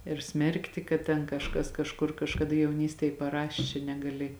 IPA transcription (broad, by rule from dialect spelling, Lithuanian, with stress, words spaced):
ɪr ˈsʲmʲɛrktʲɪ kɐt tʲɛn kɐʃˈkɐs kɐʃˈkʊr kɐʃkɐˈdɐ jɛʊˈnʲiːsʲtʲeːj pɐˈrɑːʃʲeː t͡ʃʲɛ nʲɛɡɐˈlʲɪ